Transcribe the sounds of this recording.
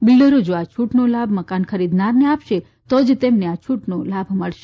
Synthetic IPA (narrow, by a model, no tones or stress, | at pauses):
bɪlɖəɾod͡ʒoat͡ʃʰuʈnolabməkankəɾid̪naɾneapʃe | t̪od͡ʒt̪emneat͡ʃʰuʈnolabʱməɭʃe̥